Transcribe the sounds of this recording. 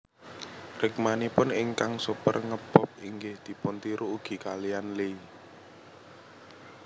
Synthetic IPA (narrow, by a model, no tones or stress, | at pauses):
rɪk̚manipʊnɪŋkaŋsupərŋəb̥ɔp̚iŋɡɪhd̪̥i̤pʊnt̪iɾuːɡ̥i̤kalijanle